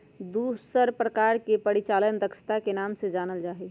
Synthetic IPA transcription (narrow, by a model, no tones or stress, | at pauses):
d̪usəɾpɾəkaːɾkepəɽit͡ʃaːlənd̪əkʃə̥t̪akenaːmsed͡ʒaːnəld͡ʒaːɦi